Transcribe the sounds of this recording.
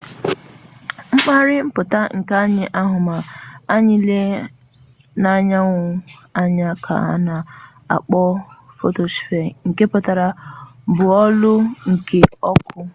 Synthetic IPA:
ŋ͡m̩˦k͡pa˦ɾɪ˦m̩˦pʊ˨ta˦ŋ̩˨ka˦ɲɪ˨ʔa˦ɦʊ˨ma˨a˦ɲɪ˦le˦ | na˦ɲa˦ŋʷʊ˦a˦ɲa˦kʰa̰˨a̰˦na˨ | a̰˨k͡pɔ˦ | fo˦to˨si̥˨fe˨ŋ̩˨ke˦pʊ˨ta˨ɾa˨bʊ˨ɔ˦lʊ˦ŋ̩˨ke˨ɔ˦kʰʊ˦

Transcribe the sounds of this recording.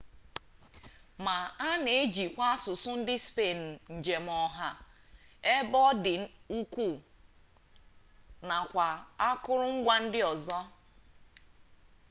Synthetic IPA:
ma˨a˦ne˨e˦d͡ʒi˨kʷa˦a˦sʊ˨sʊ˦n̩˦dɪ˦spe˦˨n˨n̩˨d͡ʒe˨m˨ɔ˨ɦa˦ | e˦bɔ˦dɪ˨˦u˦kʷu˦˨ | na˨kʷa˨a˦kʊ˦ɾʊ˦ŋ̩˦ɡʷa˦n̩˦dɪ˦ɔ˨zɔ˦

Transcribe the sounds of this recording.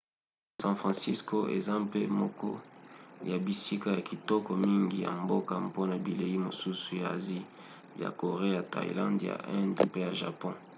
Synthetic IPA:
sɑ̃˦fʁɑ̃˨si˦sko˦ʔḛ˨za˦pe˦mɔ˨kɔ˦ja˨bi˨si˦ka˦ja˨ki˨tɔ˦kɔ˨mi˦ŋɡi˨ja̰˨mbo˦ka˨po˦na˨bi˨le˨ji˦mo˨su˦su˨ja˨zi˦ | ja̰˨ko˨ʁe˦ja˨ta̰˨ḭ˨lã˦ndja̰˨ʔɛ˦ndpe˦ja˨ʒa̰˨pɔ̃˦

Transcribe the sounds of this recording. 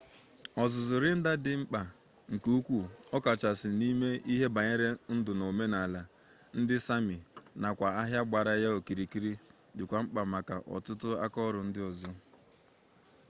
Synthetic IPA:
ɔ˨zʊ˨zʊ˨ɾɪ˦n̩˦da˦dɪ˨ŋ͡m̩˦k͡pa˨ | ŋ̩˨ku˦kʷu˦ɔ˦ka˨t͡ʃa˨sɪ˨ni˦me˦i˦ɦe˦ba˨ɲe˦ɾe˦n̩˦dʊ˨no˨me˦na˨la˨n̩˦dɪ˦sa˦mi˨na˨kʷa˨a˦ɦja˦ɡ͡ba˨ɾa˨ja˦o˨ki˨ɾi˨ki˦ɾi˦ | dɪ˨kʷa˨ŋ͡m̩˦k͡pa˨ma˨ka˨ʔɔ̰˨tʊ˦tʊ˦a̰˦kɔ˦ɾʊ˨n̩˦dɪ˦ɔ˨zɔ˦

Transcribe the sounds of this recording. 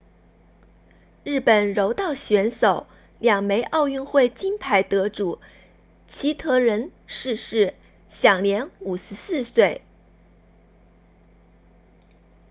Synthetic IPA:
ɻɻ̩˥˩pə˨˩nɻo˧˥ʊt̪ɑ˥˩ʊɕɥɛ˧˥nso˨˩˦ʊ | ljɑ˨˩ŋme˧˥ɪʔɑ˥˧ʊy˥˧nxwe˥˩ɪt͡ɕi˥ŋpʰa˧˥ɪt̪ɤ˧˥ʈ͡ʂu˨˩˦ | t͡ɕʰi˧˥t̪ʰɤ˧˥ɻə˧˥nʂɻ̩˥˧ʂɻ̩˥˩ | ɕjɑ˨˩ŋljɛ˧˥nu˨˩ʂɻ̩˧˥sɹ̩˥˧swe˥˩ɪ

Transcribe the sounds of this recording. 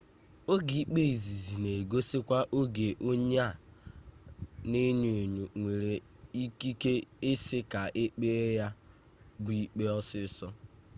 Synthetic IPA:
o˦ɡi˨i˦k͡pe˦i˨zi˨zi˨ne˨ɡo˦sɪ˦kʷa˦ʔo˦ɡe˨ʔo˦ɲa˦˨ | ne˦ɲe˨nu˨ŋʷe˨ɾe˨ | i˦ki˦ke˦ɪ˦sɪ˦ka˨ʔe˦k͡pe˦e˦ja˦ | bu˦i˦k͡pe˦ɔ˦sɪ˦sɔ˦

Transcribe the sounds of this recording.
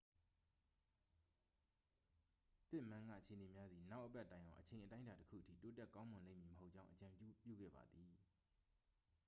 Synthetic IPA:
t̪ɪ˦ʔmã˦ŋɡa̰˦˨ət͡ɕʰe˨əne˨mja˦d̪ði˨na˦ʊʔəpɛ˦ʔtːã˨ɪ̃ʔã˨ʔət͡ɕʰẽ˨ɪ̃ʔətã˦ɪ̃nda˨təkʰṵ˦˨ʔətʰḭ˦˨to˦tɛ˦˨kã˦mʊ̃˨lḛ̃˦˨mji˨məɦo˦ʔ̚t͡ɕã˦ʊ̃ʔət͡ɕã˨mpju˦pjṵ˦˨ɡɛ̰˦˨ba̰˨d̪i˨

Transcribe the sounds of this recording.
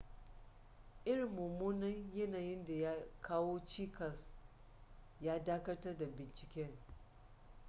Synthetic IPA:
ʔɪ˦ɾɪ˨mːu˨muː˦nɐ˦ŋjɐ˦naː˨jɪ˦nda˨ja˦kaː˦woː˦t͡ʃiː˦kɐ˨s | jaː˦daː˦kɐ˦tɐ˦rda˨bɪ˨nt͡ʃɪ˨kʲɛ˦ŋ

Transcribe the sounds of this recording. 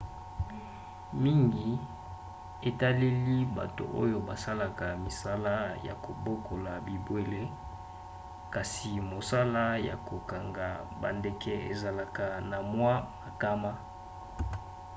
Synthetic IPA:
mi˦ŋɡi˨ | e˨ta˦le˦li˦ba̰˨to̰˨ʔo̰˦jo˦ba˨sa˦la˨ka˨mi˨sa˦la˦ja̰˨ko˨bo˦kʰo˨la˨bi˨bwe˦le˦ | ka˨si˨mo˨sa˦la˦ja̰˨ko˨ka˨ŋɡa˨ba̰˨nde˨kʰɛ˦ḛ˨za˨la˨ka˨na˨mwa˦ma˨ka˦ma˦

